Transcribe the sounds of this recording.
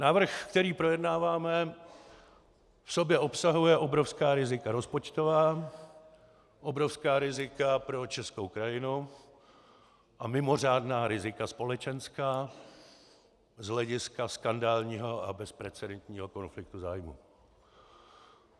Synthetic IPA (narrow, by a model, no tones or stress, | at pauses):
naːvr̩xkt̪ɛɾiːpɾo̞jɛdnaːvaːmɛ | fso̞bjɛʔo̞psaɦujɛʔobɾofskaːɾɪzɪkaɾo̞spo̞t͡ʃt̪o̞vaː | ʔo̞bɾo̞fskaːɾɪzɪkapɾo̞t͡ʃɛskowkɾajɪnu | ʔamɪmo̞r̝aːdnaːɾɪzɪkaspo̞lɛt͡ʃɛnskaː | zɦlɛɟɪskaskandaːlɲiːɦo̞ʔabɛspɾɛt͡sɛdɛnt̪ɲiːɦo̞ko̞nflɪk̚t̪uzaːjmṵ